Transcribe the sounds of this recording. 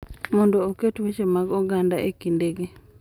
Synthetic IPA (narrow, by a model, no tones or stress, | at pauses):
mɔndɔːketwet͡ʃemaɡɔɡandaʔekindeɡe